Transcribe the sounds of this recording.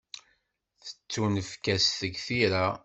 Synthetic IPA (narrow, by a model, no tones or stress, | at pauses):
θə̥t͡sːunəfkæsθəɡθiɾa